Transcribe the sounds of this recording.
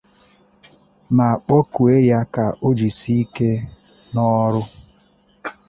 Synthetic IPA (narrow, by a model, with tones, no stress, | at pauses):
ma˨a˨k͡pɔ˦ku˨e˦ja˦ka˨ʔo˦d͡ʒi˨si˦i˦ke˦ | nɔ˦ɾʊ˦